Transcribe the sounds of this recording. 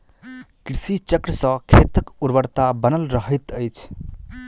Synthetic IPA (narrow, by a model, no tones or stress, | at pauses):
kɾisit͡ʃəkɾəsə̃kʰet̪əkuɾbəɾt̪abənəlɾəɦət̪əjt͡ʃʰ